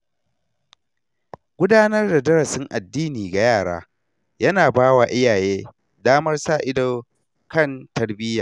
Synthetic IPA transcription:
ɡʷʊ˦daː˦nɐ˦rda˨dɐ˦ɽɐ˨sɪ˦ŋʔa˨dːiː˦niː˨ɡa˨jaː˦˨ɽa̰ː˦ | jɐ˦naː˨baː˦waː˨ʔɪ˦jaː˨jeː˦ | daː˦mɐ˦rsaː˦˨ʔɪ˦do˦ | kɐ˦˨ntɐ˨rbɪ˦jaː˨

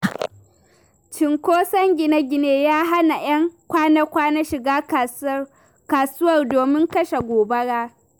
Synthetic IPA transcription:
t͡ʃɪ˨ŋkʷoː˦sɐ˦ŋɡʲɪ˨na˦ɡʲɪ˨neː˦jaː˦ɦa˦na˨j̰ɐ˦ŋkʷaː˦nɐ˦kʷaː˦na˦ʃɪ˨ɡaː˦ | kaː˨sʊ˦wɐ˨rdoː˨mɪ˦ŋkɐ˦ʃa˨ɡʷoː˨bɐ˦ɽaː˦

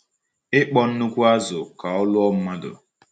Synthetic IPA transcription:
ɪ˦k͡pɔ˦n̩˦nu˦kʷu˦a˦zʊ˨ka˨ʊ˦lʊ˦ɔ˦m̩˦ma˦dʊ̰˨

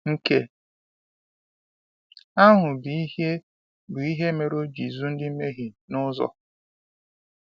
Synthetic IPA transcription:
ŋ̩˦ke˦ | a˦ɦʊ˨bi˨˦e˦ | bʊ˨i˦ɦe˦me˦ɾo˦d͡ʒi˨zu˦n̩˦dɪ˦m̩˦me˦ɦi˨nʊ˦zɔ̰˦

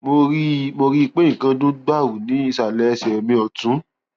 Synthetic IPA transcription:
mo˧ɾi˦mo˧ɾi˦i˧˨k͡pe˦ĩ˨kã˧dũ˦ɡ͡ba˦˨wu˨nĩ˨˦i˦˧sa˨lɛ˨˦˧sɛ˨mĩ˧ɔ˨tũ˨˦

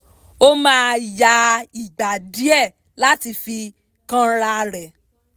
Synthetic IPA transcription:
o˦mãː˦˧˨ja˧˦i˨ɡ͡ba˨di˨˦ɛ˦˨ | la˨˦ti˧fi˧ | kã˦ɾa˧ɾɛ˨

